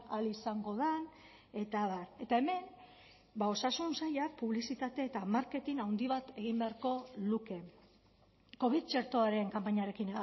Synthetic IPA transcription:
alisaŋɡo̞ðan | e̞t̪aβaɾe̞t̪ae̞me̞n | bao̞sasunsajak̚puβlisit̪at̪e̞ːt̪amaɾke̞t̪inawnd̪iβat̪e̞ɣimbe̞aɾko̞luke̞ | ko̞β̞iðt͡ʃe̞ɾt̪o̞aɾe̞ŋkampaɲaɾe̞kin

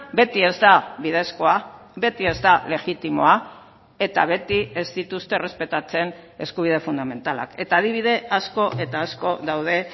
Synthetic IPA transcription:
be̞t̪ie̞zd̪aβið̞e̞sko̞abe̞t̪ie̞zd̪ale̞ɣit̪imo̞̰a | e̞t̪aβe̞t̪ie̞zd̪it̪ust̪e̞re̞spe̞t̪at͡se̞ne̞skuβ̞ið̞e̞fund̪ame̞nt̪ala̰ke̞t̪aːðiβ̞iðe̞asko̞ʔe̞t̪aːsko̞ðawð̞e̞

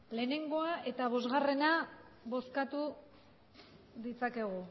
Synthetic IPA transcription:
le̞ːne̞ŋɡo̞aʔe̞t̪aβ̞o̞zɣare̞na | βo̞skat̪u | ðit͡sake̞ɣ̞u

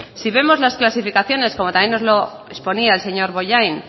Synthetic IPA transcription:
siβe̞mo̞zlasklasifikaθjo̞ne̞sko̞mot̪amje̞no̞zlo̞ | espo̞niaelse̞ɲo̞ɾβo̞ʝajn

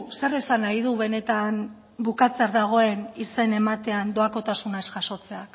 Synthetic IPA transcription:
se̞re̞sanajð̞uβe̞ne̞t̪an | bukat͡seaɾðaɣ̞o̞e̞nise̞ne̞mat̪e̞and̪o̞ako̞t̪asunaesʝaso̞t͡se̞ak

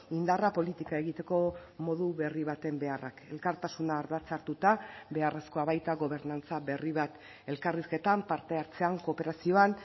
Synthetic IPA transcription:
ind̪arapo̞lit̪ikae̞ɣit̪e̞ko̞mo̞ðuβe̞riβat̪e̞mbe̞ara̰ke̞lkaɾt̪asunaːɾðat͡saɾt̪ut̪abe̞are̞sko̞aβajt̪aɣo̞β̞e̞ɾnant͡saβe̞riβat̪ | e̞lkariske̞t̪ampaɾt̪e̞aɾt͡se̞aŋko̞pe̞ɾasio̞an

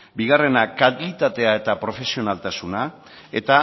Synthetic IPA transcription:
biɣ̞are̞nakaltit̪at̪e̞ae̞t̪apɾo̞fe̞sio̞nalt̪asuna | e̞t̪a

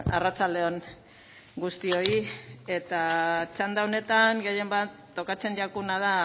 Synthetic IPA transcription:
a̰rat͡sald̪e̞on | ɡust̪io̞ie̞t̪at͡ʃand̪aone̞t̪aŋɡeje̞mbat̪ːo̞kat͡se̞nd͡ʒakunaða

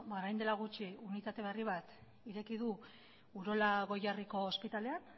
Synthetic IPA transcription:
baɾajnd̪e̞laɣ̞ut͡ʃiunit̪at̪e̞βe̞riβ̞at̪ | iɾe̞kiðu | uɾo̞laɣo̞jariko̞ːspit̪ale̞an

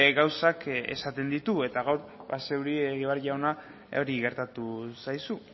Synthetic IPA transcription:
ɡawsake̞̰sat̪e̞nd̪it̪ue̞t̪aɣawɾβase̞wɾieɣiβaɾʝawna | o̞ɾiɣe̞ɾt̪at̪usajsu

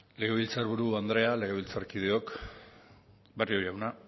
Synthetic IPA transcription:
le̞ɣeβilt͡saɾβuɾuand̪ɾe̞ale̞ɣe̞βilt͡sarkið̞eo̞k | berioɾjawna

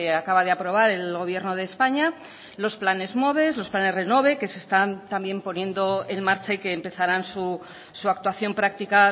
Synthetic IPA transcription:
eakaβaðeapɾo̞β̞aɾe̞lɣo̞β̞je̞ɾno̞ð̞e̞ːspaɲa | lo̞splane̞zmo̞β̞e̞zlo̞splane̞zre̞no̞β̞e̞ke̞se̞st̪ant̪ambje̞mpo̞njẽ̞nd̪o̞e̞nmaɾt͡ʃaike̞ːmpe̞θaɾansu | suakt̪waθjo̞mpɾak̚t̪ika

